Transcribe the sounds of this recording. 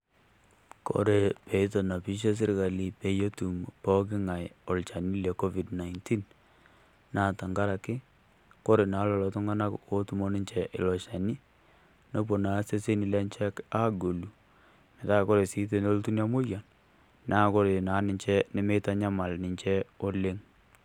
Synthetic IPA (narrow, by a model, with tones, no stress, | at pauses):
ko̰˦ɾe˨pe˨i˦t̬o˨na˨pi˦ʃ̬e˦s̬ɪ˦ɾka˨li˨pe˨jo˦tu˨mpɔ˦k̬ɪ˦ŋa˨jo˨lt͡ʃa˨ni˦le˨ko˦vi˨dna˨ɪnti˦n | na˦˨ta˨ŋɡa˦ɾa˨kɪ˦ | ko˦ɾe˨na˨˦lɔ˨lɔ˨tʊ˦ŋɡa˦na˦ko˦tu˨mo˦nɪ˦ɲt͡ʃɛ˨ʔɪ̰˨lɔ˨ʃa˨ni˦ | no˦p̬o˨na˨˦se˦se˦ni˨la˦nt͡ʃɛ˦ka˦ɡo˨lu˨ | mɛ˨ta˦˨ko˦ɾe˨si˦t̬e˦˨no˦ltu˦n˦a˦mo˦ja˨n | na˦˨ko˦ɾe˨na˨˦nɪ˨ɲt͡ʃɛ˦nɪ˦me˦ta˦ɲa˦ma˨lnɪ˨ɲt͡ʃɛ˦o˦le˦ŋ